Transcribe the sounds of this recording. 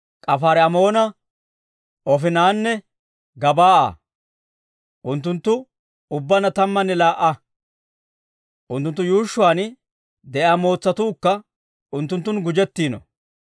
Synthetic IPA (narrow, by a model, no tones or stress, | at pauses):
kʼɐfaːɾɛɐmo̞ːnɐ | ʔɔfɪnaːnːɛ | ɡɐbaːa̰ | ʔʊnt̪̬ːʊnt̪ːʊ | ʊbːɐnɐt̪ɐmːɐnːɛlaːʔːɐ | ʔʊnt̪ːʊnt̪ːʊjuːʃːʊwaːn | d̪ɛʔaːmo̞ːt͡sːɐt̪uːkːɐ | ʊnt̪ːʊnt̪̬ːʊnɡʊd͡ʒɛt̪ːiːnɔ̰